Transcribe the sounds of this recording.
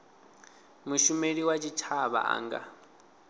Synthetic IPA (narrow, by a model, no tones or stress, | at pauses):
muʃumeɺiwat͡ʃʰit͡ʃʰaβa̰ʔa̰ːŋɡa̰